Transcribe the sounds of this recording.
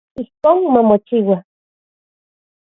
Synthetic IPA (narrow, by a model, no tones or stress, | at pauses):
ihkoːnmamot͡ʃiwa